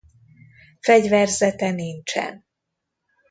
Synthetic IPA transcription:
fɛɟvɛrzɛt̪ɛnint͡ʃɛ̰n

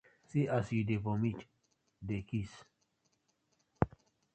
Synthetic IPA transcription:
siʔasidevomit͡ʃ | dekis

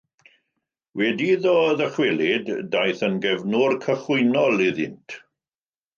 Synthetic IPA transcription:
wɛdiðɔðəχwɛlˠɪdːajθənɡɛvnʊrkʰəχʊɨnɔlˠiðɪntʰ

